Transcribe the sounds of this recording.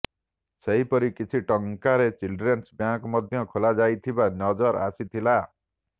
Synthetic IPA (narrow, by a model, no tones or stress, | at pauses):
seɦipɔɾikit͡ʃʰiʈɔŋkaɾet͡ʃilɖɾensbjãkɔmɔd̪ʱjɔkʰolad͡ʒajt̪ʰibanɔd͡ʒɔɾa̰sit̪ʰila